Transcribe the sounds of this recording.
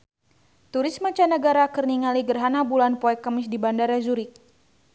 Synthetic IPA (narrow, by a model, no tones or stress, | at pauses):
t̪uɾismat͡ʃanəɡaɾakərniŋaliɡərɦanabulanpɔɛkamɪsdibandaɾazuɾɪk̚